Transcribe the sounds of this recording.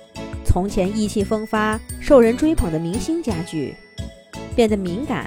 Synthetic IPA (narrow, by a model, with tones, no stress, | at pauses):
t͡sʰʊ˧˥ŋt͡ɕʰjɛ˧˥ni˥˧t͡ɕʰi˥˩fɤ˥ŋfa˥ʂo˥˩ʊɻə˧˥nʈ͡ʂwe˥ɪpʰɤ˨˩ŋd̪ə˦mi˧˥ŋɕi˥nt͡ɕja˥t͡ɕy̰˥˩ | pjɛ˥˩nd̪ə˩mi˧˥ŋka̰˨˩˦n